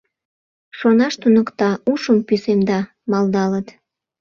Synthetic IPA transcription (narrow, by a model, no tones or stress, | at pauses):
ʃonɑʃt̪unəkt̪ɑuʃəmpysemd̪ɑ | mɑld̪ɑlət̪